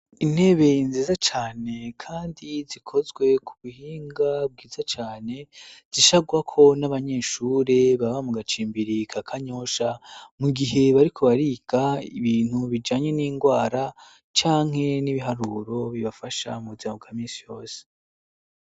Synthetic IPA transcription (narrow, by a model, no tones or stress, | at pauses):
in̥he̞βe̞inziːzat͡ʃaːne̞kʰaːndizikʰo̞zɡwe̞kʰuβuhiːŋɡab̚ɡiːzat͡ʃaːne̞z̥iʃaɡwakʰo̞naβaɲe̞ːʃuːɾe̞βaβamuɡat͡ʃiːmbiɾikʰakʰaɲo̞ʃamuɡiɦe̞βaɾikʰo̞βaɾiːɡaḭβiːn̥uβid͡ʒaːɲe̞niːŋɡwaːɾa | t͡ʃaːŋ̥e̞niβiɦaɾuɾo̞βiβafaʃa̰muβuzamabɡaːmiːnsijo̞ːse̥